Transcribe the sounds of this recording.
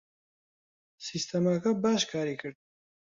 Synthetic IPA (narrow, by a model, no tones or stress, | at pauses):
sist̪ʰɛmakʰɐbaːʃkʰaːɾikʰəɾd̪̚